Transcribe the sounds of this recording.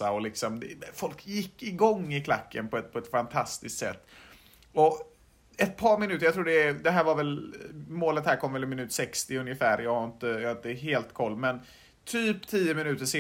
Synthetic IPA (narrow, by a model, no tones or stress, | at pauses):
aɔlɪksɔmd̪ɛfɔlkjɪkːɪɡɔŋːɪkʰlakːənpʰɔɛt̪pʰɔɛt̪fant̪ʰast̪ɪskt̪sɛ̰t̪ː | ɔ | ɛt̪̚pʰɑːɾmɪnʉ̟ːt̪əjat̪ɾuːɖɛd̪ɛɦæːɾvaɾvɛlmoːlət̪hæːɾkʰɔmvɛlɪmɪnʉ̟ːt̪sɛkst̪ɪɵnjəfæːɾjɑːɡhaɾɪnt̪əjɑhaɾɪnt̪əɦeːlt̪kʰɔlːmɛn | t̪ʰyːpt̪ʰiːəmɪnʉ̟ːt̪əʂeː